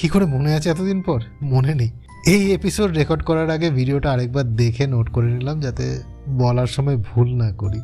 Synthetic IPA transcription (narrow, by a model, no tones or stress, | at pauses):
kikoɾemoneat͡ɕʰeɛt̪od̪inpɔɾmoneni | ejepisoɖɾekɔɾɖkɔɾaɾaɡebʱiɖioʈaaɾek̚baɾd̪ekʰenoʈkoɾenilamd͡ʑat̪ḛ | bɔlaɾʃɔmɔebʱulnakoɾi